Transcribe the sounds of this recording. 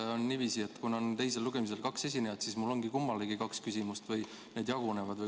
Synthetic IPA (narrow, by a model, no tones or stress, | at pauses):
onːivisie̞t̪ːˑkunont̪e̞jse̞lːuɡ̥e̞mis̬e̞lkɑkse̞s̬ʲinejɑd̪̥sismulːo̞ŋɡikumːɑleɡikɑkskysʲimust̪vɯj | ne̞ːd̪jɑɡ̥une̞vɑd̪vɯ